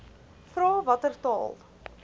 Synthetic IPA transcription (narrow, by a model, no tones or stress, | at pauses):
fɾɑːvɐtərtɑ̰ːlˠ